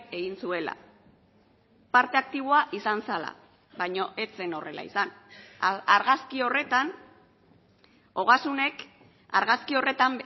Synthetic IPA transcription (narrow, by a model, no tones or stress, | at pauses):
e̞ɣinsue̞la̰ | paɾt̪e̞ak̚t̪iβ̞oaʔisansala̰ | βajɲo̞ʔe̞t͡se̞no̞re̞la̰ḭsan | aɾɣaskio̞re̞t̪an | o̞ɣ̞asune̞k | aɾɣaskio̞re̞t̪am